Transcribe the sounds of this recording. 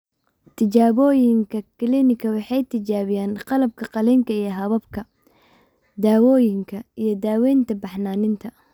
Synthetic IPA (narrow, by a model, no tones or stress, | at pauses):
t̪ʰɪt͡ʃaːβɔːjɪŋkʰɐkʰɪlinɪkʰɐwɑħɑjt̪ʰɪt͡ʃaːβɪjaːnqɑlɐb̚kʰɐqɑlɛŋkʰɐijɐɦɐβɐbkʰɐ | d̪aːwɔːjɪŋkʰɐijɞd̪aːwɛːnt̪ʰɐbɑħnaːnɪnt̪ʰɐ